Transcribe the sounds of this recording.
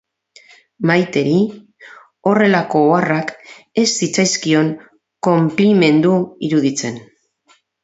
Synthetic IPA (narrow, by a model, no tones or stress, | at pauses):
majt̪e̞ɾi | o̞re̞lako̞ːarake̞sːit͡sajskio̞ŋ | ko̞mplime̞nd̪uiɾuðit͡se̞n